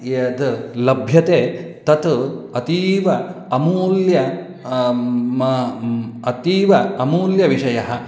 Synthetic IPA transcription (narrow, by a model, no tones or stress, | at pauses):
ɐd̪lɐbʱjɐt̪eː | t̪ɐt̪ɐt̪iːʋɐ | ɐmuːljɐ | ɐt̪iːʋɐɐmuːljɐʋiʂɐjɐɦɐ